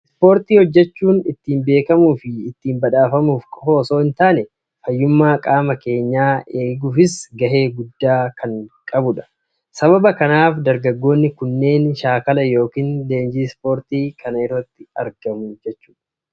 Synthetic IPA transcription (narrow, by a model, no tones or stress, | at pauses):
spo̞ːɾt̪iːhɔd͡ʒːɛt͡ʃːuːnɪt̪ːiːmbe̞ːkɐmuːfɪɪt̪ːiːmbɐᶑaːfɐmuːfkho̞ːso̞ːɪnt̪aːnɛ | fɐjːʊmːaːkʼaːmɐke̞ːɲːaːe̞ːɡuːfɪsɡɐɦe̞ːɡʊd̪ːaːkʰɐŋkʼɐbʊᶑɐ̥ | sɐβɐbɐkɐnaːfd̪ɐɾɡɐɡːo̞ːnːɪkʊnːe̞ːnʃaːkɐlɐjo̞ːkiːnle̞ːnd͡ʒiːspo̞ːɾt̪iːkʰɐnɐɪrːɐt̪ːɪ̥ɐ̰ɾɡ̥ɐmʊd͡ʒɛt͡ʃːu̥ːᶑɐ̥